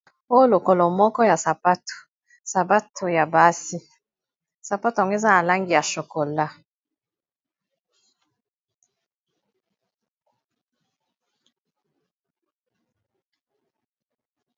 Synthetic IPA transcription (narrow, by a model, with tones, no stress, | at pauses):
o˦jo˦lo˨ko˨lɔ˨mɔ˦kɔ˦ja˨sa˨pa˦to̥˨ | sa˨ba˦tʰo˨ja˨ba˦si˦ | sa˨pa˦to˨a˨ŋɡo˦e˦za˦na˨la˦ŋɡi˨ja˨ʃo˨ko˨la˦